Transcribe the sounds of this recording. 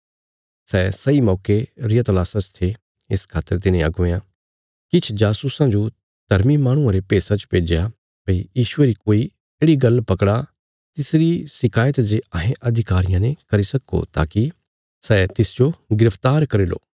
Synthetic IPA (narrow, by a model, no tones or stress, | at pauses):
sɛsɐimɔːkeɾɪjət̪laːsãt͡ʃt̪ʰe | ɪskʰaːt̪ːəɾt̪̬ɪnẽɐ̰ɡoːeã | kɪt͡ʃʰd͡ʒaːsusãd͡ʒo | d̪̥ʱɐɾmimaːɽ̃ʊ̃ãɾepeːsãt͡ʃpeːd͡ʒeja | bɐijiːʃʊeɾikoːi | eːɽiɡɐlpɐkɽa | t̪ɪsɾisɪkʰaːjət̪d͡ʒeɐɦẽʔɐd̪ʱɪkaːɾɪjãnẽkɐɾisɐkːo̰t̪a̰ːki | sɛːt̪ɪsd͡ʒoɡɪɾəft̪aːɾkɐɾeːlo̰ː